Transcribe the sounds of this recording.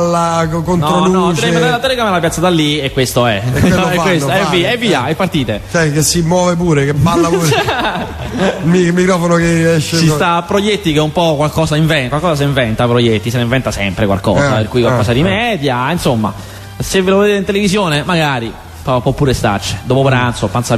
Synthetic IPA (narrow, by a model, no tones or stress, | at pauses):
lːakontnɔɾounɔt̪ɛiveaɾlat̪ːɛleɡɾamelapjat̪sːad̪alːiekːwest̪oɛɛkːwesɛviːɛvːiːaɛpːart̪iːt̪et͡ʃɛkesːimwɔːvep̬uːɾekebalːau | mimikɾɔfonokeɛʃːesist̪apːɾojet̪ːikeumpɔkwalkɔːzaiɱvɛnkwalkɔːsas̬eiɱvɛnt̪apɾojɛt̪ːiseneiɱvɛnt̪asɛmpɾekwa̰lkɔ̰ːzapḛrkuːjkwalkɔːsad̪imɛd̪jainsomːa̰ | sevːeloved̪eːt̪eint̪elevizjoːnemaɡaːɾi | pɔpːɔpːuːɾest̪a̰t͡ʃːe̥d̪oːpopɾant̪sopːansa